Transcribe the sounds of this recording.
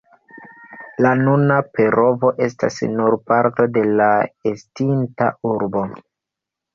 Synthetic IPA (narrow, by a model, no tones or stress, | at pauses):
lanunape̞ɾo̞vo̞ʔe̞sta̰snuɾpaɾto̞de̞laestinta̰uɾbo̞